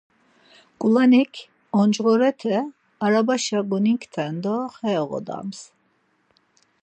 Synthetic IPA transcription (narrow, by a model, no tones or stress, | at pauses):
kʼulanikʰ | ɔnd͡ʒʁɔɾɛt̪ʰɛ | aɾabaʃaɡunikʰt̪ʰɛnd̪ɔχɛɔʁɔ̰d̪a̰ms